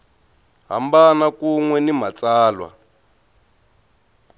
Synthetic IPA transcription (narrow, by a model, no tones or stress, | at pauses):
ɦa̰mbanakuŋwɛnimat͡saːlwa̰